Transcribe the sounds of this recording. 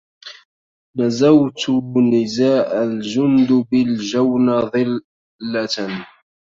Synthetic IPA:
nazawt̪nɪzaːʔald͡ʒʊnd̪bɪld͡ʒawnaðˤɨlː | a

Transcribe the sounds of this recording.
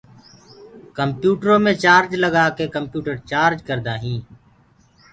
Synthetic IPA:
kəmpjuːʈɾõːmẽːt͡ʃaːɾd͡ʒləɡaːkeːkəmpjuːʈəɾt͡ʃaːɾd͡ʒkəɾd̪aːɦĩː

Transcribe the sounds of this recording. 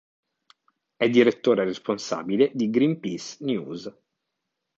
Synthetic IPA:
ɛd̪ːiɾet̪ːoːɾeɾesponsa̰ːbiled̪iɡɾimpisnjṵːz

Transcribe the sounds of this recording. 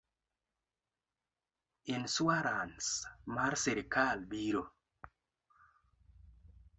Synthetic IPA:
inswaɾansmarseɾkalbiɾo

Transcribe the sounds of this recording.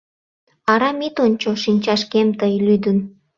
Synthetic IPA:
ɑɾɑmit̪onʲt͡ɕoʃinʲt͡ɕɑʃkemt̪əjlyd̪ən

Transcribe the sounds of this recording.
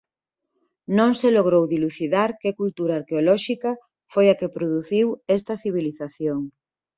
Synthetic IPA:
nõŋseloɣ̞ɾowðiluθiðaɾkekult̪uɾaːɾkeolɔʃikɐ | fojakepɾoðuθiwest̪ɐθiβ̞iliθaθjoŋ

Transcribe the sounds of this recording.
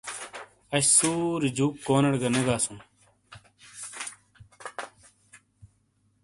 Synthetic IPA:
ɐɕsuːɾid͡ʑuːkːoːnɐɽɡɐneɡaːsũː

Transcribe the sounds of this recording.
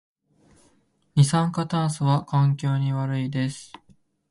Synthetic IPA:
ɲ̟ʲisãŋkat̪ãɰ̃sɨβakãŋkʲo̞ːɲ̟iβaɾɯ̟id̪e̞sɨ̥

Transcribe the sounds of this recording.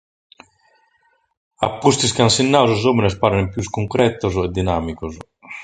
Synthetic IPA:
a̰pːust̪is̬kansinːaːwszoːminɛs̬paːɾɛnɛpjuskuŋkɾʔɛt̪ːozɛd̪ːinaːmikos

